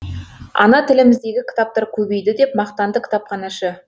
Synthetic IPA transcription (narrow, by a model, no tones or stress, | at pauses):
ɑ̰nɑt̪ʰɪlɪmɪzd̪e̞ɡʲɪkʲʰɪ̥t̪ɑp̚t̪ɑɾkʲʰɵbe̞jd̪ɪd̪e̞p̚mɑqt̪ɑnd̪əkʲʰɪ̥t̪ɑpqɑnɑʃɪ